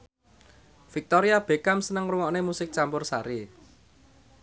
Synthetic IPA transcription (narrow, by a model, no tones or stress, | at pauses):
fik̚t̪ɔɾiab̥e̤kamsənəŋruŋɔʔnemusɪk̚t͡ʃampʊrsaɾi